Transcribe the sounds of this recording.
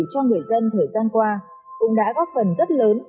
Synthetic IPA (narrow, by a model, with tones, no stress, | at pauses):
t͡ɕɔ˧ŋɨ˨˩əjzə˧nt̪ʰəː˨˩jzaː˧nkwaː˧ | kʊ̰˧˥ŋ͡mɗa̰ː˧˥ɣɔ˦˥p̚fə˨˩nzə˦˥t̚ləː˨˦n